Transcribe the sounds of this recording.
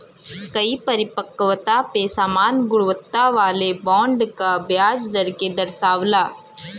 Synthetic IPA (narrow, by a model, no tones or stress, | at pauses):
kɐipɐɾɪpəkʋt̪apesaːmaːnɡʊɽʋət̪ːaʋaːlebɔ̃ːɳɖkabjaːd͡ʒd̪ɐɾked̪ɐɾʃaːʋlaː